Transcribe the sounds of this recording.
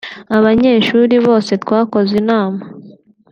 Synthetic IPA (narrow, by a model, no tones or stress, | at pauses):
aβaɲe̞ːʃuːɾiβo̞ːse̞twaːko̞zinaːma